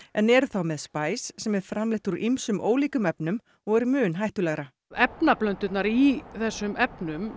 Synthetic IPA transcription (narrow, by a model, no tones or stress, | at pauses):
ɛnɛɾθawmɛðspaːjsːɛmɛɾ̥fɾamlɪht̪uɾʔimsʏmʔo̰ːwliːkʏmɛpnʏm | ɔɣɛɾmʏːnɦajht̪ʏlɛɣɾa | ɛpnaplœnt̪ʏt̪naɾiθɛsːʏmɛpnʏm